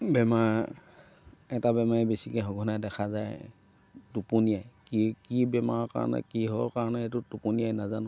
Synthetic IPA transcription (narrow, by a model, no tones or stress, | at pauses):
bɛma | ɛtabɛmaɹɛbesikɛɦɔɡʱɔnajdɛkʰazaj | tupunijajkikibɛma̰ɹɔka̰ɹɔ̰nɛ̰kiɦɔkaɹɔnɛetʊtupunijajnazan